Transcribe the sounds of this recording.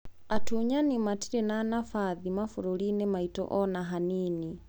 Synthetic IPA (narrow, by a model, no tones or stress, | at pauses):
atuɲanimatiɾɛnanafaðimafuɾulinɛmaitɔ̰ʔɔnaɦanini